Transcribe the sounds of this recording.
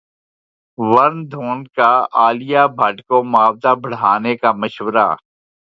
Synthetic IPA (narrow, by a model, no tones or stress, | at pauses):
ʋɐɾnd̪ʱoːnkaaːlɪjabʱɐʈkomʊaːbzabɐɽ̤aːnekaməʃwəɾa̰ː